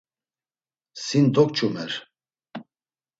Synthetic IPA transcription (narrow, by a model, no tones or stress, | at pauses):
sind̪ɔk̚t͡ʃʰʼumɛɾ